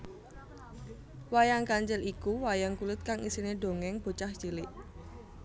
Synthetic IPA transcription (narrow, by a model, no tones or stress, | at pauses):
wajaŋkaɲt͡ʃɛlikuwajaŋkulʊt̪̚kaŋisineɖo̤ŋɛŋb̥o̤t͡ʃahd͡ʒ̥ilɪʔ